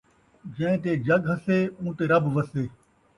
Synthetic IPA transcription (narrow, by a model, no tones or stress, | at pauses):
d͡ʒɐ̃ɪ̃t̪̬eːd͡ʒɐɠɦəseːũːt̪eːɾɐbʋəseː